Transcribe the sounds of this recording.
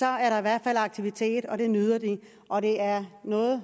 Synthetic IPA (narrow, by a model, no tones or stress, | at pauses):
sɒ̽æɐɾɑ̈iʋæɐ̰d̥fælɑ̈ɡ̥̚t͡sʰiʋit͡sʰe̝̰ːd̥ɒ̽d̥e̝nyð̞ˠɐd̥i | ʔɒ̽ɾe̝æɐnɔ̽ːð̩ˠ